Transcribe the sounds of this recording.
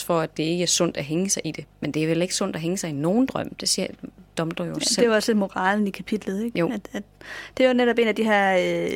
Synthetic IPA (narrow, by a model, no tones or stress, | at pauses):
fɒ̽æd̥e̝e̝ɡ̥əæɐsɔn̰d̥æɦeŋəsɑ̈ɪʔid̥e̝mend̥e̝æɐʋele̝ɡ̥ə̥sɔ̽n̰d̥æɦeŋəsɑ̈ɪino̝ːn̩d̥ʁɶm̰d̥e̝siɐd̥ɒ̽md̥ɐjoseeɒsle̝d̥mo̝ʁɑ̈ːln̩ikʰæpʰid̥lð̩ˠeɡ̥o̰̥æd̥d̥ejoneɾɒ̽b̥e̝̰ːnæd̥iɦæɐ̰